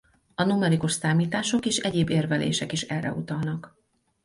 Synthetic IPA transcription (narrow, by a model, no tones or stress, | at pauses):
ɒnumɛɾikuʃsaːmiːt̪aːʃo̞keːʃɛɟeːbeːrvɛlḛːʃɛkiʃɛrːɛ̰ut̪ɒlnɒk